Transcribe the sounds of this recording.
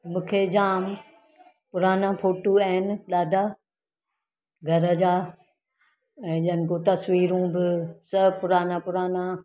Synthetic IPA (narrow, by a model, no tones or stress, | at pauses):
mũːkʰed͡ʑaːm | pʊɾaːnapʰoːʈuaɦɪnɪ̆ɗaːɖʱaː | ɡʱɐɾəd͡ʑaː | ɛ̃ːɗɪɦənɪkõt̪ɐsʋiːɾũbɪsɐpʊɾaːnapʊɾaːna